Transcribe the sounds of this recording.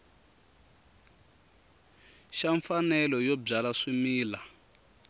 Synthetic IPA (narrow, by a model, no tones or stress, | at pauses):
ʃaɱfanɛlɔjɔb͡ʐalaʂimiːla